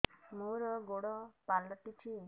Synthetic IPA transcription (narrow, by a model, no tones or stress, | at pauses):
moɾɔɡoɽɔpalɔʈit͡ʃʰi